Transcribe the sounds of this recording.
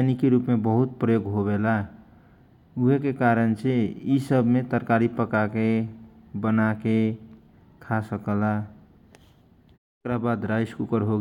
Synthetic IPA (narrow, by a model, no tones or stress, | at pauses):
nikiɾupmebəɦut̪̚pɾəjoɡɦobela | uɦekekaɾənt͡ʃʰeisəbmet̪əɾkaɾipəkakebənake | kʰasəkəla | ekɾabad̪ɾajskukəɾɦoɡ